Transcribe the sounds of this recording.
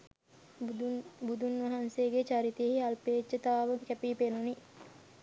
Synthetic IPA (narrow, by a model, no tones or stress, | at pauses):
bud̪unʋɐɦanseːɡet͡ʃaɾit̪ijəhiɐlpeːt͡ʃːət̪ɐʋaːʋɐɡekɛpiːpenuni